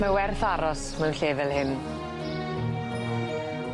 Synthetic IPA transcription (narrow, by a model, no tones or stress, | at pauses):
mawɛrθaɾɔsmənɬeːvɛlˠhɪn